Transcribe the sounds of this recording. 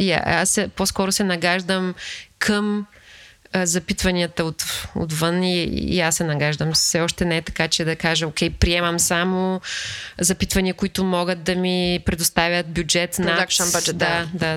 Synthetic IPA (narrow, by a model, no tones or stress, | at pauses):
ia̰asːɛposkɔɾʊsɛnɐɡaʒd̪əmkʰəm | zɐpit̪vɐniət̪əot̪o̰t̪vɤnḭːasːɛnɐɡaʒd̪əmsɛɔʃt̪ɛnɛɛt̪ɐ̥kat͡ʃɛd̪ɐkaʒəokʰʲɛjpɾiɛmɐmsamʊ | zɐpit̪vɐniəkʊit̪ʊmɔɡət̪̚d̪ɐmipɾɛd̪ʊst̪avʲjət̪̚bjud͡ʒɛt̪naakʃaad͡ʒɛd̪ad̪a